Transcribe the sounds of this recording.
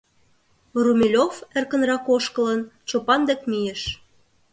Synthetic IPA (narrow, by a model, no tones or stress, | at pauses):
rumʲilʲofĕrkə̆nrɑkoʃkə̆lənt͡ɕopɑnd̪ekmijĕʃ